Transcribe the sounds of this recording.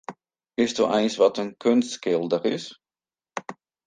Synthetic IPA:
ɪstdṵːʔɛjnsʋɑtənkʰʏnstkɪlˠdərɪs

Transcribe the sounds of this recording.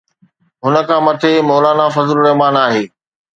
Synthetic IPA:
ɦʊnə̆kʰãːmɐt̪ʰemɔːlaːnafɐzlɾɐɦmaːnaːɦeː

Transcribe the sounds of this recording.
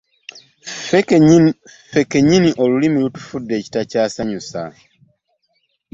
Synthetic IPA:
fe̞ke̞ɲiniʔo̞lulimilutu̥fudːe̞ːci̥tacaːsaɲusa

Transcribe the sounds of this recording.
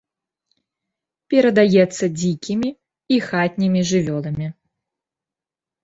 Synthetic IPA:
pʲɛɾɐd̪ajɛt̪sːɐd͡zʲikʲʰimʲiː | xat̪ʲnʲimʲiʐɨvʲɔlˠɐmʲi

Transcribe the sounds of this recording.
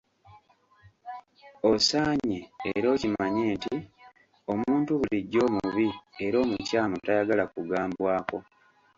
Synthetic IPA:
o̞saːɲeːɾo̞ːcimaɲe̞ːnti | o̞muːntuβuliɟːo̞ːmuβie̞ɾo̞ːmucaːmotajaɡalakuɡaːmbwaːko̞

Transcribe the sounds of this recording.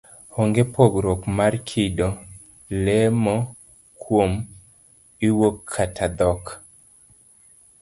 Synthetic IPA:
hoŋɡepoɡɾɔkmarkʰɪdo | lɛmɔ | kwom | iwokʰːatʰad̪ɔk

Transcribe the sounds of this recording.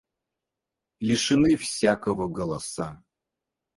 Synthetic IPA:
lʲɪʂɨnɨfsʲakəvəɡəlˠɐsa

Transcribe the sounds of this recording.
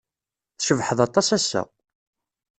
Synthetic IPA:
θʃəvħəðɑt̪ˤːɑsæsːæ̰

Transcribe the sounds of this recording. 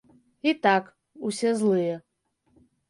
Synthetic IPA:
it̪ak | usʲɛzlˠɨjɛ

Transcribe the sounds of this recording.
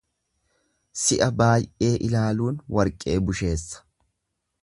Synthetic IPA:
sɪʔɐbaːjʔe̞ːʔɪlaːluːnwɐɾkʼːe̞ːbʊʃe̞ːsːɐ̥

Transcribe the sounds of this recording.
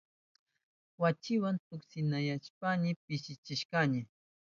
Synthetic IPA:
wat͡ʃɪwant̪ʊksɪnajaʃpaɲɪpɪʃɪt͡ʃɪʃkɑɲɪ

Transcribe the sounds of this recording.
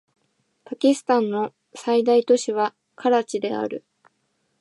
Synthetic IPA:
pakʲisɨ̥t̪ãnːo̞ | said̪ait̪o̞ɕiβa | kʰaɾat͡ɕid̪e̞a̰ɾɯ̟̰

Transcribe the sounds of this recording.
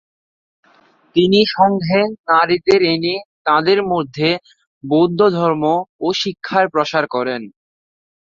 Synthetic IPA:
t̪iniʃɔŋɡʱenaɾit̪eɾenit̪ãd̪eɾmod̪ʱːe | bod̪ʱːod̪ʱɔɾmooʃikʰːaɾpɾoʃaɾkɔɾen

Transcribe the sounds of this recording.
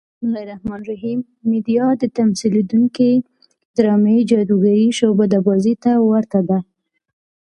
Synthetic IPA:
mʊlɑjɾahmɑnɾaɦimː | ed̪ijɑd̪ət̪amsiled̪uŋki | d̪ɾɑmed͡ʒɑd̪uɡaɾiʃobad̪abɑzit̪awaɾt̪ad̪a

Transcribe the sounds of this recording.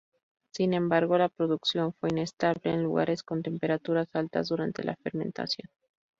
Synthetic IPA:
sinẽ̞mbaɾɣ̞o̞lapɾo̞ðuksjo̞ɱfwe̞inest̪aβle̞ːnluɣa̰ɾe̞sko̞nt̪e̞mpe̞ɾat̪uɾasalt̪a̰zðuɾant̪e̞̰lʔa̰feɾmẽ̞̰nt̪a̰sjon

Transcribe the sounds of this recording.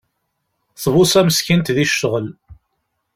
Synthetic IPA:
θvʊsæməskint̪ðiʃːəʁəl

